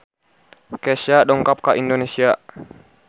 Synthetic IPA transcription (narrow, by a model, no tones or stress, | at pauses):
kɛsiadɔŋkap̚kaʔindonesia